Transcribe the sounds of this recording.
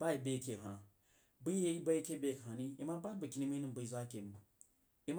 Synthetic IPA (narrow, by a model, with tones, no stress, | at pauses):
ba˦i˨be˦˨kʲe˨ɦa˨ | bɨ˦je˦i˦ba˦ji˦kʲe˦bʲe˦˨kɦa˨ni˦i˦ma˦ba˦tba˨kʲi˨ni˦mi˦nɨ˦m˨bu˨i˨za˦kʲe˨m˨ | i˦m˦